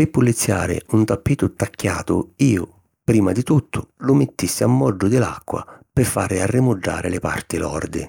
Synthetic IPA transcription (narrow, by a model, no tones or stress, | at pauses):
pɪpːulːit̪sːja̰ːɾɪ̰unt̪apːiːt̪ʊt̪akːja̰ːt̪ʊ̰iːʊ | pɾiːmad̪it̪ut̪ʰːʊlʊmɪt̪ːisːɪamːɔd͡ʒːʊd̪ɪla̰kːwa̰pɪfːaɾɪarːɪmʊd͡ʒːa̰ːɾɪlɪpa̰rt̪ɪlɔ̰rd̪ɪ̰